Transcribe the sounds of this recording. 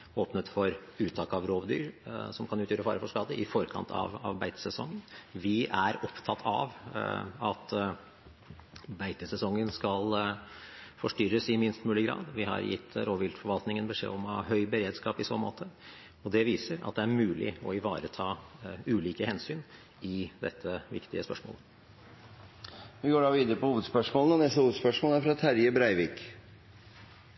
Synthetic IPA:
oːpnət̪fɔɾʉːt̪ʰɑːkɑʋɾoːʋd̪y̰ːɾsɔmkʰɑnʉːt̪jøːɾəfɑ̰ːɾəfɔʂkɑːd̪əʔɪfɔɾkʰɑ̰nt̪ʰɑ̰ʋɑʋbæɪt̪əsɛsɔŋːənʋɪʔæɾɔpt̪ʰɑt̪ʰɑ̰ʋ | ɑt̪ | bæɪt̪əsɛsɔŋːənskɑl | fɔʂʈʏɾəsɪmɪnst̪mʉːlɪɡɾɑ̰ːd̪ʋɪɦɑ̰ɾjɪ̰t̪ːɾoːʋɪlt̪fɔɾʋɑlt̪nɪŋənbəʂḛːɔmɑɦœʏbəɾeːd̪skɑːpɪso̰ːnmo̰ːt̪ʰə | ɔd̪ɛʋiːsəɾɑ̰t̪̚d̪ɛæɾmʉːlɪ̰ɔɪʋɑːɾət̪ʰɑːʉːliːkəhɛnsyːn | ɪd̪ɛ̰t̪ʰːəʋɪ̰kt̪ɪəspœ̰ʂmo̰ːlə | ʋɪɡoːɖɑːʋiːd̪əɾəpɔhuːʋəd̪spœʂmoːlnɔnɛst̪əhuːəd̪spœʂmɔːlæɾfɾɑt̪ʰæɾjəbɾæɪʋɪk

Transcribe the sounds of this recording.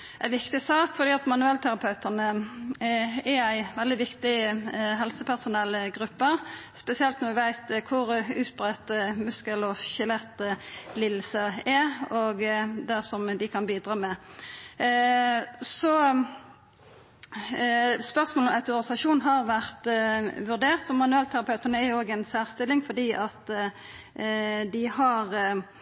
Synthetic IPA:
æɪʋɪkt̪ɪsɑːkfɔd̪iːɑt̪mɑnʉɛlt̪ʰæʁɑpʰɑʉt̪ənə | ɛɾæɪʋɛld̪ɪʋɪkt̪ɪɦɛlsəpʰæʁsʊnɛlːɡʁʉpːəspɛsɪɛlt̪nɔɾʋɪʋæɪt̪kʰʊɾʉːt̪̚bʁɛt̪əmʉskəlɔçɪlɛt̪ːlɪlsəɛɔɡd̪æʁsɔmd̪ɪkʰɑnbiːd̪ʁɑːmɛ | sɔ | spœʁsmolɔmʔɑʉt̪ɔʁɪsɑʃuːnɦɑʁʋæʁt̪ʋʉʁd̪eːʁt̪sɔmːɑnʉɛlt̪ʰæʁɑpʰɑʉt̪ənəæʁjʊoːɡɛnsæːʁst̪ɪlːɪŋfɔd̪iːʔɑt̪ | d̪ɪhɑʁ

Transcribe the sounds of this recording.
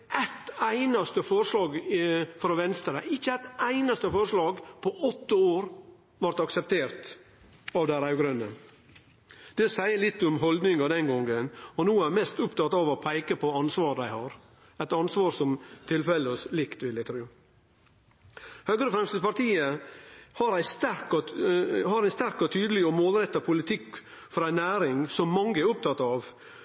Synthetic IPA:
ʔæt̪æɪnɑst̪əfɔɾʂɭɑːɡfɾɔʋɛnst̪ɾəɪçːəæt̪æɪnɑst̪əfɔɾʂlɑːɡpʰɔʔɔt̪ːəoːɾ | ʋɑɾt̪ɑksɛpt̪ʰeːɾt̪ | ɑʋd̪æɪɾɑʉɡɾœnə | d̪̥ɛsæɪəlɪt̪ːɔmɦɔld̪nɪŋɑd̪ɛnɡɔŋːənɔnuːæɾmɛst̪ʊpt̪ʰɑt̪ːɑːʋɔpʰæɪkəpʰɔɑnsʋɑːɾd̪æɪhɑɾ | æt̪ɑnsʋɑːɾsɔmt̪ʰɪlfɛləslɪkt̪ʋɪljæɪt̪ʰɾʉː | høːɡɾəfɾɛmst̪ɪd̪əpɑɾt̪iːəhɑɾæɪst̪æɾkɔhɑɾæɪst̪æɾkɔt̪ʰyːd̪əlɪɔmoːlɾɛt̪ːɑpʰʊlɪt̪ʰɪk | fɔɾæɪnæːɾɪŋsɔmːɑŋːəɛɾʊp̚t̪ʰɑt̪ːɑːʋ

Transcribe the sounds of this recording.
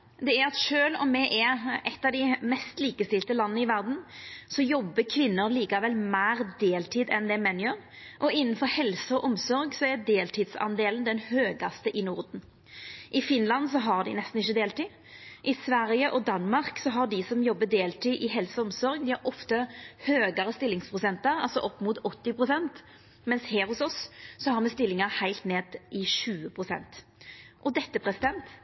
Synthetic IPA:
d̪ɛæɾɑt̪ʃøːlɔ̰mːɛʔæɾɛt̪ːɑʋd̪ɪmɛst̪liːkəst̪ɪlt̪əlɑnːənəɪʋæɾd̪n̩sɔjɔbːəkʰʋɪnːʊɾliːkɑʋɛlmæːɾd̪eːlt̪ʰiːd̪ɛnd̪ɛmɛnjøːɾ | ʔɔɪnːən̩fɔɾhɛlsəɔʔɔmsɔɾɡsɔæɾd̪eːlt̪ʰɪːd̪sɑ̰nd̪eːlən̩d̪ɛnhøːɡɑst̪əʔɪnʊɾd̪n̩ | ʔɪfɪnlɑns̬ɔɦɑɾd̪ɪ̰nɛst̪n̩ɪçːəd̪eːlt̪ɪ | ʔɪsʋæɾjəʔɔd̪ɑnmɑʁksɔɦɑʁd̪ɪsɔmjɔbːəd̪eːlt̪ʰiʔɪɦɛlsəɔmsɔɾɡd̪ɪhæɾɔft̪əhøːɡɑɾəst̪ɪlːɪŋspʰʁʊsɛnt̪əɾɑ̰lsɔʔɔpːmuːt̪ɔt̪ːɪpʁʊsɛnt̪ | mɛnshɛːɾhʊsɔsːɔhɑɾmɛst̪ɪlːɪŋɑhæɪlt̪neːd̪ɪʃʉːəpʰʁʊsɛ̰nt̪ | ʔɔd̪ɛt̪ːəpʰʁɛsɪd̪ɛnt̪

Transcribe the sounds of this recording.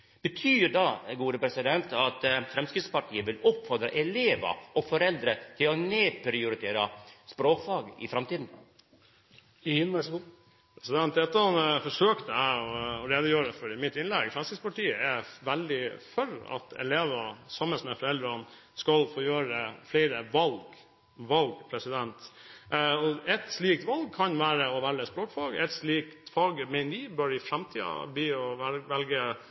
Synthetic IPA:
b̥ət̪ʰyːɖɑɡuːd̪əpʰɾɛsɪd̪ɛnt̪ɑt̪fɾɛmskɾɪt̪spɑʈʰiːəʋɪlɔpːfɔɾd̪ɾəʔɛleːʋɑ̰ʔɔfɔɾɛld̪ɾət̪ʰɪlɔneːpɾɪʊɾɪt̪ʰeːɾɑspɾoːkfɑːɡɪ̰fɾɑmt̪iːd̪n̩ | nʋæʂɡu | pʰɾɛsɪd̪ɛnt̪̚d̪ɛt̪ːɑɑnfɔʂøːkt̪əæɪɔɾeːd̪əjøːəfɔɾɪmɪt̪ːɪnlɛɡfɾɛmskɾɪtspɑʈiːəɛɾʋæld̪ɪfœɾɑ̰t̪ʰɛ̰leːʋɑsɑmːəsmɛfɔɾɛld̪ɾɑn | skɑlfoːjøːɾəfleɪɾəʋɑlɡ | ʋɑlɡpʰɾɛsɪd̪ɛnt̪ | ɔɛt̪sliːk̚t̪ʋɑlɡ̚kʰɑnʋæːɾəɔʋæləspɾoːkfɑːɡɛt̪sliːkt̪fɑːɡmɛɪnəɾiːbœɾɪfɾæmt̪ʰiːɑ̰bliːɔʋɛlɡə

